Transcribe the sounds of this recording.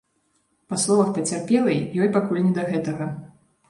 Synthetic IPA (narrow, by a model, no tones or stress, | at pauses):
paslˠɔvɐxpɐt͡sʲarpʲɛlˠɐjjɔjpakulʲnʲɛd̪ɐɣɛt̪ɐɣɐ